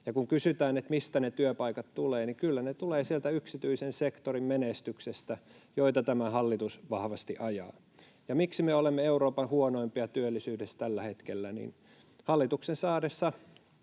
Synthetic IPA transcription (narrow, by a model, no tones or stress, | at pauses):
jɑkuŋkysyt̪æːnet̪mist̪ænet̪yøpɑikɑt̪t̪uleːnikylːænet̪uleːsielt̪æyksit̪yisensekt̪orimmenest̪yksest̪æjoit̪ɑt̪æmæhɑlːit̪usʋɑhʋɑst̪iʔɑjɑ̰ː | jɑmiksimeolemːeeuɾoːpɑnhuonoimpiɑt̪yølːisyːdest̪ælːæhet̪kelːænḭːn | hɑlːit̪uksensɑːdesːɑ